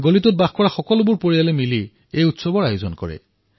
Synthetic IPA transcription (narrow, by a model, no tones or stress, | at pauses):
ɡolitʊt̚baxkɔɹaxɔkɔlʊbuɹpoɹijalɛmili | ejutsɔbɔɹajozɔnkɔ̰ɹɛ̰